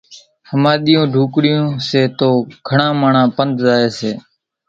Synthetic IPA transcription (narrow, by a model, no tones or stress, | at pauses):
həmaːɗ̪ɪjõːɖʱuːkɽɪjõːseːt̪oːɡʰʱəɳãːmaːɳãːpənd̪zaːeːseː